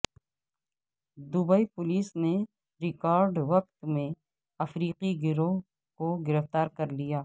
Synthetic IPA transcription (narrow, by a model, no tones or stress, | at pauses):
d̪ubəipʊliːsne | ɾɪkaːɾɖʋɐq̚t̪mẽ | ɐfɾiːqiɡɪɾõ | koɡɪɾəft̪aːɾkɐɾlijaː